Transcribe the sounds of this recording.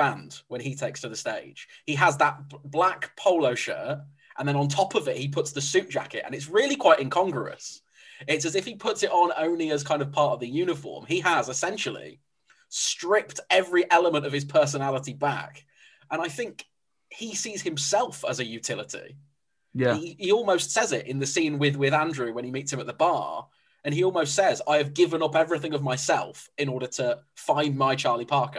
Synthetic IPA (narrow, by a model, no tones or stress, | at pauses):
ãndwə̃nitʰeɪkstʰəðəsteɪd̥ʒ̥iəzðəʔ̚b̥lakpʰoʊloʊʃɜ̰ˑt | ʔə̰̃nðə̃ñə̃ntʰɒpəvɪʔ̚hipʰʊtsðəsʉˑʔ̚d̥ʒ̥a̰kɪ̰tə̰̃nɪts̬ɹɪəlikʰw̥aɪtɪ̃nkʰɒ̃ŋɡəə̰s | ɪtsəzɪfhipʰʊtsɪtn̩õ̰ʊ̃nliəz̥kʰãɪ̃ndəv̥pʰɑˑtəvðɨjʉːñɪfɔ̰ːmiəzɪsɛ̃nʃəl̩ˠḭ | stɹ̥ɪp̚tɛvɹiʔɛləmə̃ntəv̥ɪz̥pʰɜˑ˞s̬ənalɪtiba̰k | ʔə̃ñaɪθɪ̃ŋk | hisiːz̥hɨ̃msɛlˠfəzɨjʉtʰɪlˠətʰḭ | jæiiɔlˠməʊstsɛzɪtɪ̰̃nðɨsĩnwɪðwɪðæ̃ndɹʉwə̃nimiˑtsɨ̃mət̪̚ðəbɑ̰ː | ɨ̃niɔlˠməʊstsɛza̰ɪɨvɡɪvə̃nʌpɛvɹiθɪ̃ŋʌvmaɪsɛ̰lˠfɪ̃nɔːɾətʰəfãɪ̃nmaɪt͡ʃʰɑɹlipʰɑɹkə